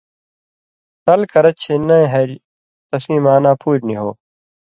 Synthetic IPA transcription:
t̪ɐlkɐɾɐt͡ɕʰeːnɐ̃ɦɐɾ | t̪ɐsĩːmaːnaːpʰuːɾniɦo̰ː

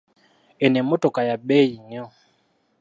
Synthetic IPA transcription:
ɛnɛmɔtɔkajaɓɛiɲɔ

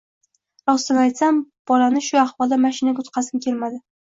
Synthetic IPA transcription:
ɾɒst̪ɪnajt̪samb̥ɒlanɪʃʊaχvɒlˠd̪amaʃɪnaɡʊt̪qʰɑsɪmkʲʰe̞lmad̪ɪ

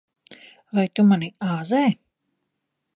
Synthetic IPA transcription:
vajt̪umaniaːzɛː

